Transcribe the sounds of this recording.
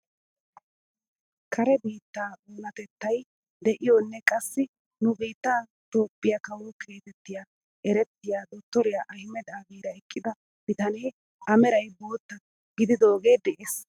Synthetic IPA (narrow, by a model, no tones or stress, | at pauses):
kʰɐɾɛbiːt̪ːaːoːnɐt̪ɛt̪ːɐj | d̪ɛʔɪjonːɛkʼɐsːɪ | nʊbiːt̪ːaː | t̪o̞ːpːɪjakɐwɔkʰe̞ːt̪ɛt̪ːɪja | ɛɾɛt̪ːɪjaːd̪ɔt̪ːɔɾɪjaʔɐhɪmɛd̪aːɡiːɾɐɛkʼːɪd̪ɐ | b̥ɪt̪ɐneː | ʔɐmɛɾɐjbo̞ːt̪ːɐ | ɡɪd̪ɪd̪o̞ːɡe̞ːd̪ɛʔeːs